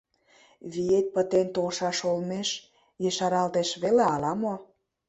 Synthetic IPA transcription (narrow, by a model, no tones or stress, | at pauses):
βiet̪̚pə̆t̪ent̪olʃɑʃolmeʃ | jeʃɑɾɑlt̪eʃβeleɑlɑmo